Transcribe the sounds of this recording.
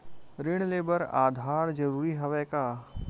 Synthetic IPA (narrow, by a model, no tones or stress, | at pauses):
ɾɪɽ̃leːbəɾa̰ːd̪ʱaːɾd͡ʒɐɾuːɾiɦɐʋɛkaː